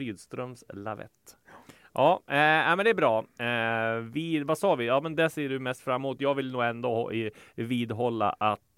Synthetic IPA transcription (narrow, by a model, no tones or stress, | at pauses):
yːd̪st̪ɾœmsla̰vɛ̰t̪ː | ʔɑːnæɪmɛnd̪ɛæɾbɾɑː | vɪvasɑːvɪjɑːmɛnd̪ɛseːɖɵmɛst̪fɾamːuːt̪jɑːɡvɪlnuːɡɛnd̪oːhɔ̰ʔɪviːd̪ɦɔlːa̰ʔat̪